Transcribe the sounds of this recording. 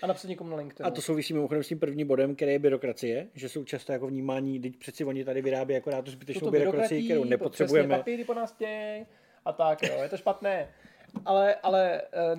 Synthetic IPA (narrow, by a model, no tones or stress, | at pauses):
anapsatɲɛkomunalɪŋkt̪ɪat̪oso̞wvɪsiːmɪmoxo̞dɛmscimpr̩vɲiːmbo̞dɛmkɛɾɛːjɛbɪɾo̞kɾat͡sɪjɛʒɛso̞wt͡ʃast̪ojakovɲiːmaːɲiːdɪc̚pr̥ɛt̪sɛvo̞ɲɪt̪adɪvɪɾaːbjɛjakoɾaːd̪̚t̪uzbɪt̪ɛt͡ʃsnobɪɾoɾkɾaɾat͡ssɪjɪkkt̪ɛɾownɛpot̪r̥ɛbujɛmɛpɪɪdɪponaːsɟɛjɛj | ʔat̪akjoːjɛt̪oʃpat̪nɛː | ʔalɛʔalɛ